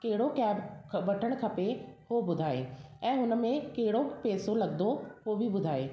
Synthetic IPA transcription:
kɐɦɪɽokɛːbkʰʋɐʈʰəɽ̃kʰɐpehobʊd̪ʱaːeɛ̃ːɦʊnə̆mẽkɐɦɪɽopeːsolɐɡd̪oɦobʱibʊd̪ʱaːeː

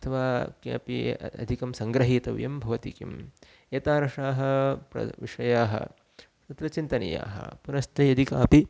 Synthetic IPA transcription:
ɐt̪ʰɐʋaːkːpiɐ̰d̪ʱikɐmsɐŋɡɾɐɦiːt̪ɐʋjɐmbʱɐʋɐt̪ikḭm | eːt̪aːɾɐʂaːɦɐpɾɐ̰ʋḭʂɐjaːɦɐ̰ | t̪ɐt̪ɾɐt͡ʃint̪ɐnɐ̰ja̰ːɦɐ̰punɐst̪ʰɐjɐd̪ʱikaːpi

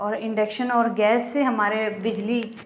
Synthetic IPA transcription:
ɔːɾɪ̃ɳɖekʃənɔːɾɡɛːsːeɦɐmaːɾebɪd͡ʒli

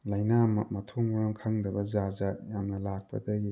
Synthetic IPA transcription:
lajnamɐ̰mɐtʰoŋɔɾaŋkʰaŋdɐbɐzazajamnɐlak̚pɐ̰dɐɡi

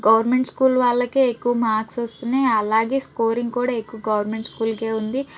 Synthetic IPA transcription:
ɡɐʋɐɾme̞ɳʈskuːlʋaːɭːɐkeːekːuʋɐmaːksʋost̪uneːɐlaːɡe̞ːsko̞ːɾiŋɡkuːɽaːekːuʋɐɡɐʋɐɾmeɳʈskuːlke̞ːund̪i

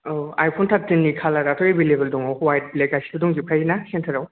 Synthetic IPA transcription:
a̰jpʰontʰatinːikʰalaɾatʰojibilebeldɔŋawhwajt̚lekasi̥tuduŋɡipʰajinasentʰɐɾaw

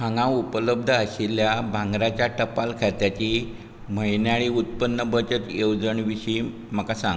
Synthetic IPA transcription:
hãŋɡãupələb̚d̪ʱəaɕiljabʱãŋɡɾat͡ɕjaʈəpalkʰat̪jat͡ɕi | m̤əjnjaɭiut̪̚pənːəbət͡ɕət̪jewd͡zəɳʋiɕiː | m̤əkasãŋɡ

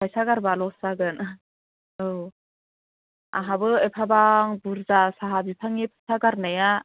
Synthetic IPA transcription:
pʰajsaɡaɾbalɔsaɡɯn | ɯw | a̰ɦabɯepʰabaŋbuɾzasaɦabipʰaŋepʰajsaɡaɾnaja

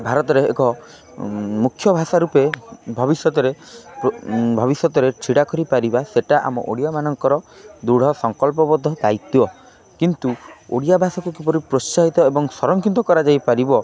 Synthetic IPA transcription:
bʱaɾɔt̪ɔɾḛːkɔ | mukʰːjɔbʱasaɾupebʱɔbisjɔt̪ɔɾepbʱɔbisjɔt̪ɔɾet͡ʃʰiɽakɔɾipaɾibaseʈaʔa̰mɔ̰ʔoɽijamanɔŋkɔɾɔd̪uɽ̤ɔsɔŋkɔlp̬ɔbɔd̪ʱːɔd̪ait̪uɔ | kint̪uo̰ɽijabʱasɔkukipɔɾipɾost͡ʃaɦit̪ɔebɔŋsɔɾɔŋkʰit̪ɔkɔɾad͡ʒajpaɾibɔ

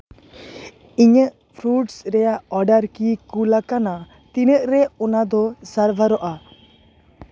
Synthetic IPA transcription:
iɲəʔ | pʰɾuʈsɾɛjaʔɔɖaɾkikulakana | t̪inəʔɾɛɔnad̪ɔsəɾbʱaɾɔʔa

